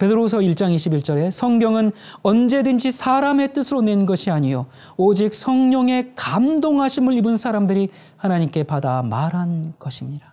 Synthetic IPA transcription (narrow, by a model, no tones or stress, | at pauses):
pe̞dɯɾosʰʌiɭt͡ɕ͈aŋiɕʰibiɭt͡ɕ͈ʌɾe̞sʰʌŋɡjʌŋɯn | ʌnd͡ʑe̞dɯnd͡ʑisʰaɾame̞t͈ɯsʰɯɾone̞nɡʌɕʰiaɲijo | od͡ʑik̚sʰʌŋɲoŋe̞kamdoŋɦaɕʰimɯɭibɯnsʰaɾamdɯɾi | hanaɲimk͈e̞padamaɾɦanɡ̥ʌɕʰimɲida